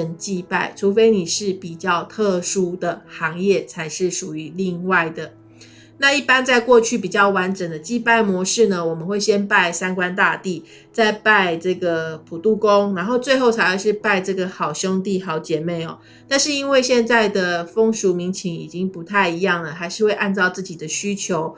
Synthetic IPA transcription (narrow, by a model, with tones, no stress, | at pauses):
ə˨˩ŋt͡ɕi˥˧pa˥˩ɪʈ͡ʂʰu˧˥fe˥ɪni˨˩ʂɻ̩˥˩pi˨˩t͡ɕjɑ˥˧ʊt̪ʰɤ˥˧ʂu˥d̪ə˨xɑ˧˥ŋjɛ˥˩t͡sʰa˧˥ɪʂɻ̩˥˩ʂu˨˩y˧˥li˥˧ŋwa˥˩ɪd̪ə˩ | na˥˧i˥˩pa˥nt͡sa˥˧ɪkwɔ˥˧t͡ɕʰy˥˩p̬i˨˩t͡ɕjɑ˥˩ʊwa˧˥nʈ͡ʂə˨˩ŋd̪ə˦t͡ɕi˥˧pa˥˩ɪmwɔ˧˥ʂɻ̩˥˩nə˩wɔ˨˩mə˨˦nxwe˥˩ɪɕjɛ˥npa˥˩ɪsa˥nkwa˦˥nt̪a˥˧t̪i˥˩ | t͡sa˥˧ɪpa˥˧ɪʈ͡ʂɤ˥˩ɡə˩pʰu˨˩t̪u˥˩ko˦˥ŋna˧˥nxo˥˧ʊt͡swe˥˧ɪxo˥˩ʊt͡sʰa˧˥ɪxa˧ʂ̬ɻ̩˥˧pa˥˧ɪʈ͡ʂɤ˥˩ɡə˩xɑ˨˩ʊɕjo˥ŋt̪̬i˥˩xɑ˨˧˥ʊt͡ɕjɛ˨˩me˥˩ɪɔ̰˨˩ | t̪a˥˧nʂɻ̩˥˩i˥nwe˥˧ɪɕjɛ˥˧nt͡sa˥˩ɪd̪ə˩fo˥ŋʂu˧˥mi˧˥ŋt͡ɕʰi˧˥ŋi˨˩t͡ɕi˦˥ŋpu˧˥t̪ʰa˥˩ɪi˧˥jɑ˥˩ŋlə˩xa˧˥ɪʂɻ̩˥˧xwe˥˧ɪʔa˥˧nt͡sɑ˥˧ʊt͡sɹ̩˥˩t͡ɕi˨˩d̪ə˦ɕy˥t͡ɕʰjo˧˦ʊ